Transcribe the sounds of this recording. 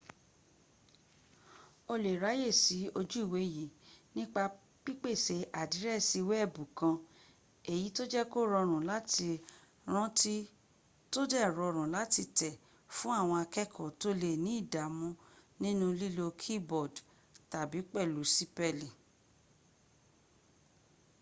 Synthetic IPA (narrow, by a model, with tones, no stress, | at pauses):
o˧le˨ɾa˨˦je˦˨si˨˦o˧d͡ʒu˦i˦˨we˨˦ji˨nĩ˦k͡pa˧ | k͡pi˦k͡pe˦˨se˧ʔa˨di˨˦ɾɛ˦˨si˧wɛ˦˨bũ˨kã˧ | e˨ji˨˦to˦d͡ʒɛ˦ko˦ɾɔ˧ɾ̃ũ˨la˦ti˧ | ɾ̃ã˦tʰi˦ | to˦dɛ˦˨ɾɔ˧ɾ̃ũ˨la˨˦ti˧tɛ˨ | fũ˦a˦˨w̃ɔ̃˧a˧kɛ˦kʰɔ˨to˦le˦˨nĩ˨˦i˦˨da˨˦mũ˦nĩ˦nũ˦li˦lo˧kʰi˦bɔ˨d | ta˨bi˨˦k͡pɛ˦˨lu˨˦si˦pɛ˦˨li˨